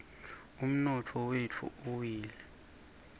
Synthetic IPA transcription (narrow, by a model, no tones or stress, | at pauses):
um̩nɔt͡fʰɔwet͡fʰṵuwiːlɛ